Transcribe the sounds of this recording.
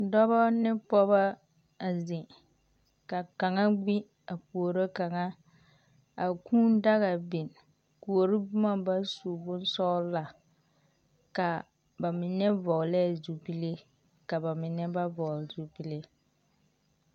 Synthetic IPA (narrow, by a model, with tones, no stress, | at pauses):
dɔ˦bɔ˦nɪ˦pɔ˦ba˦ | a˨zɪ˨ | ka˨ka˨ŋa˦ɡ͡bi˦ | a˨pu˨o˨ɾo˦ka˨ŋa˦ | a˨kʰũː˦n˦da˦ɣa˨bɪ˨n | ku˨o˨ɾi˦bʊ˦ma˦ba˦su˨bʊ˦n˦sɔ˦la˨ | ka˨ | ba˨mɪ˨nɛ˦vɔ˨lɛ˦˨zu˨bi˦le˦ | ka˨ba˨mɪ˨nɛ˦ba˦vɔ˨lzu˨bi˦le˦